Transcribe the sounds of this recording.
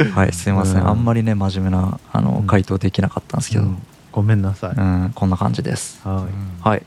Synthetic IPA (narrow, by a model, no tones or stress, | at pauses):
haḭsɨimasɨḛ̃ʔa̰mːaɾʲine̞maʑime̞naa̰no̞̰kait̪o̞ːd̪e̞kʲinakat̪ːãnske̞̰d̪o | ɡ̥omẽnːasaɯ̟̃ɴkõ̞nːakã̰ɲ̟d͡ʑid̪e̞̰sɨ̥hai